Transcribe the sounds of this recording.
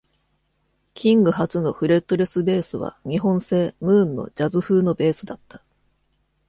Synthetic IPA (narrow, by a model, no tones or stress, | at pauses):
kʲĩŋɡɯ̟hat͡sɨno̞ɸɯ̟ɾe̞t̪ːo̞ɾe̞sɨbe̞ːsɨβa̰ɲ̟iɦõ̞ɰ̃se̞ːmɯ̟ːnːo̞̰d͡ʑazɨɸɯːno̞be̞ːsɨd̪at̪ːḁ